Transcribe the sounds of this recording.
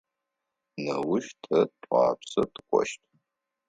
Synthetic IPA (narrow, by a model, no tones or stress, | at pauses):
nɐwʊʃtʰɐtʷʼɑ̰ːpsɐtʰɨ̥kʷʼɔ̰ʃtʰʼ